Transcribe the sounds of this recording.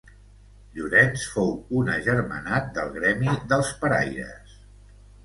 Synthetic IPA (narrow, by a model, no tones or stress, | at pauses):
ʎuɾɛnsfowunəʒəɾmə̰nat̪̚d̪əlˠɣɾɛmiðəlˠspəɾa̰jɾə̰s